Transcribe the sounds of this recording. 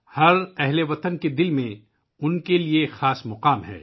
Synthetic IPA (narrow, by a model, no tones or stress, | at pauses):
hɐɾɛɦleʋɐt̪ənked̪ɪlmẽ | ʊnkeliexaːsmʊqaːmɦɛ̰ː